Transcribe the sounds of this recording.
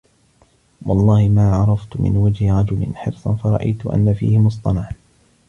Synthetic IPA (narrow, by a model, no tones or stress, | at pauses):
wɑlˤːɑːhɪmaːʕɑɾˤɑft̪ʊmɪ̰nwad͡ʒhɪɾˤɑd͡ʒʊlɪ̰nħɪɾsˤɑnfɑɾˤɑ̰ʔa̰jt̪ʊʔa̰nːafḭːhɪmʊs̬ˤt̪ˤɑnaʕ